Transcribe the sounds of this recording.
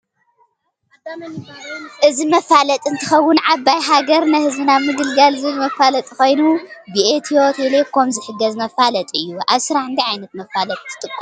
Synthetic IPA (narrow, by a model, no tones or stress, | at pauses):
ʔɨzimɐfalɐt̪ʼɨnt̪ʰɨxɐwːʊnʕabajɦaɡɐɾnɐhɨzbɨnaβmɨɡ̪ɨlɡalzɨɨlɨmɐfalɐt̪ʼiko̞jnubiet̪ʰiot̪ʰlekʰːomzɨħɨɡːɐzmɐfalɐt̪ʼɨjːuʔaβsɨɾaħɨnd̪iʕajnɐt̪mɐfalɐt̪ʼt̪ʰɨ̥t̪ʼɨkʼː